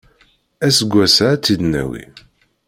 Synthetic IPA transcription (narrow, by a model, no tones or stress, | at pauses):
æsəɡʷːæsat͡sːid̪næ̰wḭ